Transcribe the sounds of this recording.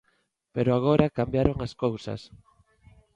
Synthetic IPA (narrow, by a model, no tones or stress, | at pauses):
peɾoaɣ̞oɾakambjaɾoŋaskowsa̰s